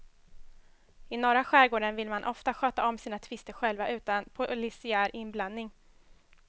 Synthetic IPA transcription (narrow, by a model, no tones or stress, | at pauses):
ɪnɔɾaɧæːɾɡoːɖənvɪlmanʔɔft̪aɧøːt̪aɔmsiːnat̪ʰvɪst̪əɾɧɛlvaʔʉ̟ːt̪anpʰʊlɪsɪæːɾɪnbland̪nɪŋ